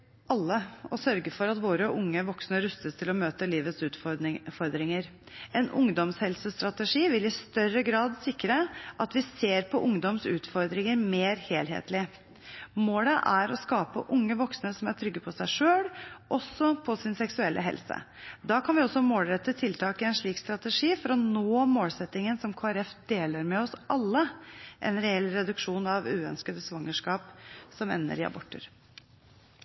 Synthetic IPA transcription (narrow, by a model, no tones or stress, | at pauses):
ʔɑlːəɔsœɾɡəfɔɾɑt̪ʋoːɾəʔʊŋːəʋɔksnəɾʉst̪əst̪ʰɪlɔmøːt̪əliːʋət̪sʉːt̪ffɔɾd̪ɾɪŋəɾ | ɛnʊŋd̪ɔmshɛlsəst̪ɾɑt̪ɛʂiːʋɪlɪst̪œrəɡɾɑːd̪sɪkːɾəʔɑt̪ʋɪseːɾpʰɔʔʊŋd̪ɔmsʉːt̪fɔɾd̪ɾɪŋəɾmeːɾheːlɦḛːt̪lɪ | moːləʔæɾɔskɑːpə̰ʔʊŋːəʋɔksnəsɔmæʈʰɾʏɡːəpʰɔsæɪʂøːlʔɔsːɔpʰɔsɪnsɛksʉɛlːʔəɦɛ̰lsə̰ | d̪ɑːkʰɑnʋɪɔsːɔmoːlɾɛt̪ːət̪ʰɪlt̪ʰɑːkəɛnʂɭiːkst̪ɾɑt̪əʂiːfɔɾɔnoːmoːlsɛt̪ːɪŋənsɔmkʰoːæɾɛfd̪eːləɾmɛɔsʔɑlːəʔɛnɾɛɛlːɾɛd̪ʉkʂuːnɑʋʉːœnskəd̪əsʋɑŋːəʂkɑːpsɔmɛ̰nːə̰ɾɪɑ̰bɔʈːə̰ɾ